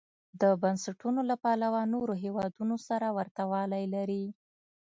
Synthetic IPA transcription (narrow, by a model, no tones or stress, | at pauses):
d̪əbansaʈunolapɑlawanoɾoɦewɑd̪unosaɾawaɾt̪awɑlajlaɾi